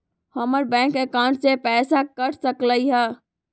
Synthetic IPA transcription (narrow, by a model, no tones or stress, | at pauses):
həməɾbɛ̃ŋkekãɳʈsepɛːsakəɾsəkləjɦɛ